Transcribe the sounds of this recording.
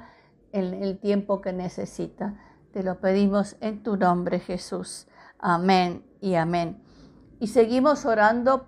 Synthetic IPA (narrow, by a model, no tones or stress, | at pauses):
enelt̪je̞mpo̞kenesesit̪a | t̪elo̞pe̞ðimo̞sent̪unõmbɾexesus | amẽn | iamẽn | ise̞ɣimo̞soɾand̪o